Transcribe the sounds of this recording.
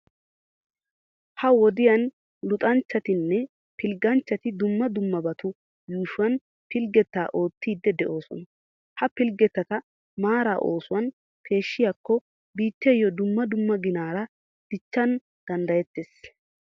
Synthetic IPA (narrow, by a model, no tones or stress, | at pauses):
hɐwɔd̪ɪjɐn | lʊt̪ʼɐnt͡ʃːɐt̪ɪnːɛ | pɪlɡɐnt͡ʃːɐt̪ɪd̪ʊmːɐd̪ʊmːɐbɐt̪ʊ | juːʃʊwɐn | pɪlɡɛt̪ːaːʔo̞ːt̪ːiːd̪ːɛd̪ɛʔo̞ːsɔn | hɐpɪlɡɛt̪ːɐt̪ɐ | maːɾa̰ːʔo̞ːsʊwɐn | kʰe̞ːʃːɪjakːɔ | biːt̪ːɛjɔd̪ʊmːɐd̪ʊmːɐɡɪnaːɾɐ | d̪̥ɪt͡ʃːɐn | d̪̥ɐnd̪ɐjɛt̪ːes